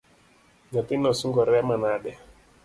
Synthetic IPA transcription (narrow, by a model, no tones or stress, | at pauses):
ɲat̪inɔsuŋɡɔɾɛmanaɗɛ